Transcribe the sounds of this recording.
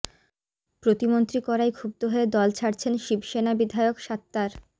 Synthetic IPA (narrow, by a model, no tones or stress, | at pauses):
pɾot̪imont̪ɾikɔɾajɡʰʱub̚t̪oɦoed̪ɔlt͡ɕʰaɾt͡ɕʰenʃibʃenabid̪ʱaeokʃat̪ːaɾ